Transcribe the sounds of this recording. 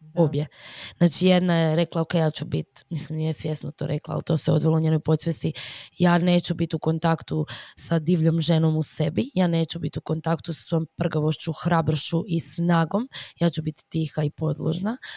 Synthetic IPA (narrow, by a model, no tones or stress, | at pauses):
objeznaːt͡ʃijed̪najeɾe̞klˠaokejaːt͡ɕubit̪mislimnijesʋje̞snot̪o̰ːɾʔeklˠa̰a̰lt̪o̞seo̞̰d̪ʋelouɲeːno̞jpo̞t̪sʋʲest̪ijaːne̞ːt͡ɕubit̪uko̞nt̪akt̪usad̪iːʋʎomʒenomuse̞bijaːne̞ːt͡ʃubit̪uko̞nt̪akt̪usḁsʋo̞jompr̩ɡaʋo̞ʃt͡ɕuxɾabɾoʃuʔisnaːɡo̞mjaːt͡ʃubit̪ːixaipo̞d̪lˠo̰ʒna